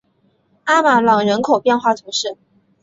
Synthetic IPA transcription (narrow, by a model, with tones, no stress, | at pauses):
a˥ma˨˩lɑ˨˩ŋɻə˧˥nkʰo˨˩ʊpjɛ˥˧nxwa˥˩t̪ʰu˧˥ʂɻə˥˩